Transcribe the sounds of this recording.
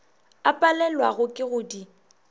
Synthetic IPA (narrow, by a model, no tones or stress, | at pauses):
apʼalɛlwaɣʊkʼɪɣʊdi